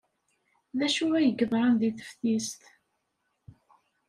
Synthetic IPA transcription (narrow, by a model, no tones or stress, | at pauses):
ðæʃuæjəɡəðˤɾˤənðiθə̥fθist̪